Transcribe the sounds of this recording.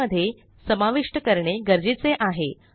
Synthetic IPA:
əd̪ʱːje | səmaʋiʂʈəkəɾɳeɡəɾd͡ʑit͡seʔaɦe

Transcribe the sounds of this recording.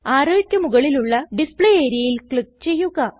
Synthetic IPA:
aːɾoːikʲːɐmuɣɐɭiluɭːɐɖispɭeeːɾjɐjilkɭik̚t͡ɕe̞jːuɣɐ

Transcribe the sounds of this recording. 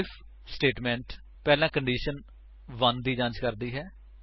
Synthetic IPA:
ɪfʰ | sʈeːʈmɛ̃ːɳʈ | pɛːlãːkəɳɖiːʃən | ʋə̃nd̪iːd͡ʒãːt͡ʃkəɾd̪iːɦɛː

